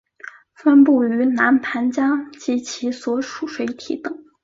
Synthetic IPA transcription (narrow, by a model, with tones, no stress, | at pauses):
fə˥npu˥˩y˧˥na˧˥npʰa˧˥nt͡ɕjɑ˥ŋt͡ɕi˧˥t͡ɕʰi˧˥swɔ˧˥˩ʂu˨˥˩ʂwe˧˥ɪt̪ʰḭ˨˩t̪ɤ˨˩˦ŋ